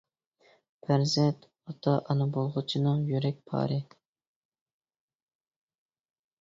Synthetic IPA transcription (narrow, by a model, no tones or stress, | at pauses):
pʰæɾzɛnt̪ | ɑt̪ʰɑʔɑnɨbolˠʁʊt͡ʃʰinɨŋjyɾɛk̚ʲpʰɑ̰ːɾɨ